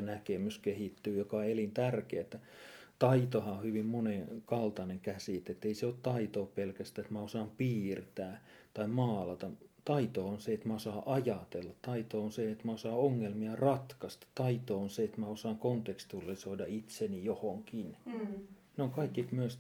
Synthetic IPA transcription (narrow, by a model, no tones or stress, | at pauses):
nækemyskehit̪ːyːjokɑelint̪ærkeæt̪ːæ | t̪ɑit̪ohɑohyʋimmonekɑlt̪ɑneŋkæsit̪et̪ːeiseoːt̪t̪ɑit̪oːppelkæst̪æet̪mæosɑːmpiːrt̪æː | t̪ɑimɑːlɑt̪ɑt̪ɑit̪oːonseet̪mæosɑːʔɑjɑt̪elːɑtt̪ɑit̪oːonseet̪mæosɑːoŋːelmiɑrɑt̪kɑst̪ɑ̥t̪t̪ɑit̪oonseet̪mæosɑːŋkont̪ekst̪ulːˑisoidɑit̪senijohoŋkin | neoŋkɑikːit̪myøs